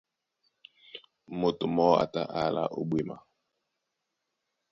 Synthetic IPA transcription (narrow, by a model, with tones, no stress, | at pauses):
mo˨to˨mɔ˦a̰˨ta˦˨ʔa˦˨la̰˨ʔo˦ɓwe˨ma̰˨